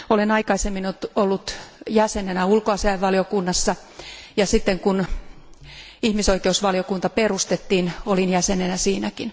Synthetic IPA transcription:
olenɑikɑisemːinot̪olːut̪jæsenenæulkoɑsiɑiʋːɑliokunːɑsːɑ | jɑsit̪ːeŋkun | ihmisoikeusʋɑlijokunt̪ɑperust̪et̪ːiːnolinjæsenenæsiːnækin

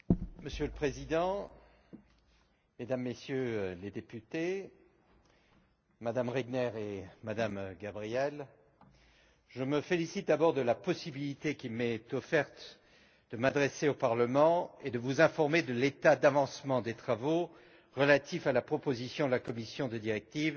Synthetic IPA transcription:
məsjøləpχezid̪ɑ̃ | med̪amːesjøled̪epyt̪e | mad̪amʁɛɡnɛʁemad̪amɡabʁijɛl | ʒəməfelisit̪̚d̪abɔʁd̪əlapɔsibilit̪ekʲimɛt̪ɔfɛʁt̪ | d̪̥əmad̪ʁeseopaʁləmɑ̃ed̪əvuzɛ̃fɔʁmed̪əlet̪ad̪avɑ̃smɑ̃d̪et̪χavo | ʁəlat̪ifalapχɔpozisjɔ̃d̪əlakɔmisjɔ̃d̪əd̪iʁɛk̚t̪iv

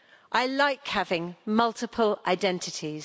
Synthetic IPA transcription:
ʔaɪlaɪkhavɪ̃ŋmʌlˠtʰɪpʰəla̰ɪdɛ̃ntʰɪtʰiz̥

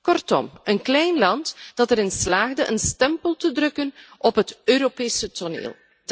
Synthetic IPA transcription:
kɔrtɔ̰mənklɛjnlɑntd̥ɑtəɾɪnslaːɣdəʔənstɛmpəlˠtədrɵkənʔɔpɦətøːɾopeːsətonḛːlˠ

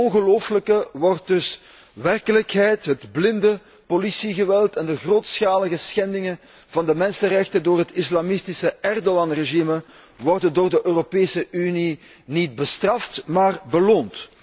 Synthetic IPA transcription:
ɔnɣəloːfələkəʋɔrt̚dɵs | ʋɛrkələkɦɛjtɦədblɪndə | polisiɣəʋɛlˠtɛndəɣroːtsxaːləɣəsxɛndɪŋən | vɑndəmɛnsənrɛxtəndoːrɦətɪslamɪstɪsəɛrdoɑnreʒimə | ʋɔrdəndoːrdəʔøːropeːsəʔyni | nid̚bəstrɑftmaːrbəloːnt

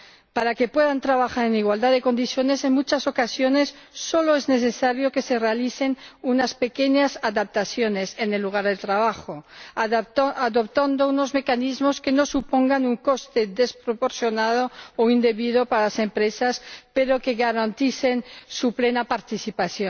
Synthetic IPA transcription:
paɾake̞pweðant̪ɾaβaxaɾeniɣwald̪aðeko̞nd̪iθjo̞nese̞ŋmut͡ʃaso̞kasjonesː | o̞loezne̞θesaɾjoke̞se̞realiθenunaspe̞keɲasaðap̚t̪aθjo̞nesenelːuɣ̞aɾðelt̪ɾaβ̞axo | aðopt̪and̪ounozme̞kanizmo̞skeno̞supoŋɡanuŋko̞st̪eðe̞spɾopoɾθjonaðooind̪e̞βiðopaɾalase̞mpɾesaspeɾoke̞ɣaɾant̪iθensuplenapaɾt̪iθipaθjon

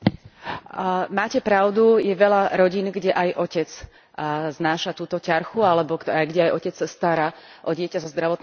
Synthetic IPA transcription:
maːcɛpɾaʊd̪ujɛʋɛʎaɾɔɟiːnɡɟɛʔajʔɔcɛd͡z | znaːʃat̪uːt̪ɔcaɾxualɛbɔajɡɟɛajʔɔcɛt͡ssast̪aɾaːʔɔɟɪɛcasɔzd̪ɾaʋɔt̪n

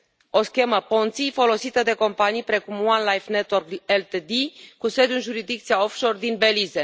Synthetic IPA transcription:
o̞skʲe̞məpont̪sijfo̞lo̞sit̪əd̪e̞ko̞mpanijpɾe̞kumwanlajfnet̪workelt̪ed̪ikuse̞d̪junʒuɾizd̪ik̚t̪siaofʃo̞rd̪inbelize

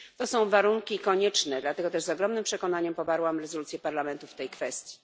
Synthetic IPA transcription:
t̪ɔsɔ̃w̃vaɾuŋkʲikɔɲɛt͡ʂnɛd̪lat̪ɛɡɔt̪ɛʐzɔɡɾɔmnɘmpʂɛkɔnaɲɛmpɔbaɾwamɾɛzɔlut̪sjɛpaɾlamɛnt̪uft̪ɛjkfɛst̪ʲji

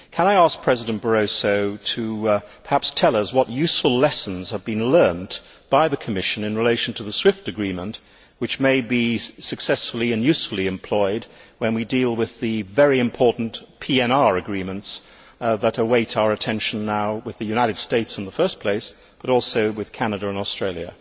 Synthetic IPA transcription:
kʰə̃ñaɪæsk̚pʰɹ̥ɛzɨɾɨ̃n̩b̥ə˞oʊsoʊɾʰɨpʰə˞hæpstʰɛlˠʌswʌtjʉsfəlˠlɛsn̩z̥əvbɨ̃nlɜ̃˞n | b̥aɪðɨkʰəmɪʃɨ̃nɨ̃nɹɨleɪʃn̩tʰəðəswɪftɨɡɹĩmə̃nʔ | wɨt͡ʃmeɪbisɨksɛsfl̩ˠiɨ̃njʉsfl̩ˠiɨ̃mpʰl̥ɔɪd̚wɨ̃nwidilˠwɪðɨvɛɹiɨ̃mpʰɔɹʔn̩pʰiɛ̃nɑɹɨɡɹĩmə̃nts | ðəɾəweɪɾaʊə˞ɨtʰɛ̃nʃn̩ːaʊwɨðɨjʉñaɪɾɨd̥steɪtsn̩ðəfɜ˞spʰl̥eɪs | b̥ʌɾɔlˠsoʊwɨð̥kʰænɨɾɨə̃nɔstɹ̥eɪlˠjɨ̰

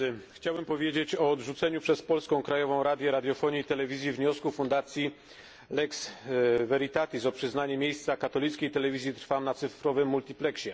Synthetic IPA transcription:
xt͡ɕawɛmpɔvʲjed͡ʑet͡ɕɔːd̪ʐut̪sɛɲupʂɛspɔlskɔ̃w̃kɾajɔvɔ̃w̃ɾad̪jɛɾad̪ʲjɔfɔɲit̪ɛlɛvʲizʲjivɲɔskufund̪at̪sʲji | lɛksvɛɾit̪at̪izɔpʂɘznaɲɛmʲjejst̪sakat̪ɔlʲit̪skʲejt̪ɛlɛvʲizʲjit̪ɾ̥famnat̪sɘfɾɔvɘmːult̪ʲiplɛkɕɛ

